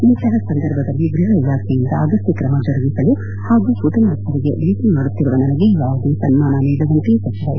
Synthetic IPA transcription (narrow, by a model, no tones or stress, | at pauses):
iːt̪ɐɦɐsɐnd̪ɐɾbʱɐd̪ɐlːiɡɾuɦɐilaːkʰejind̪ɐaːɡɐsʈikɾɐmɐd͡ʒɐɾɐɡisɐlu | haːɡuput̪ɐnaːst̪ɐɾiɡḛʋiːt̪imaːɽut̪ːiɾuʋɐnɐnɐɡeiʋaːɡɐd̪isɐnmaːnɐniːd̪ɐʋɐnt̪isɐt͡ʃːɐɾɐ